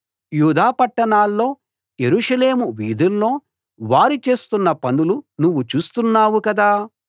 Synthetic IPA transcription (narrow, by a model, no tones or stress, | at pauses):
juːd̪aːpɐʈːɐɳaːlːo̞ː | jeɾuːʂɐleːmuʋiːd̪ulːo̞ː | ʋaːɾit͡ʃe̞ːst̪unːɐpɐnulunuʋːut͡ʃuːst̪unːaːwukɐd̪aː